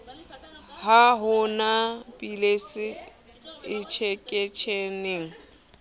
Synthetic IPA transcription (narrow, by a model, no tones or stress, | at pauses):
haɦʊnapʼilesɪ | ɪt͡ʃʰekʼet͡ʃʰeneːŋ̩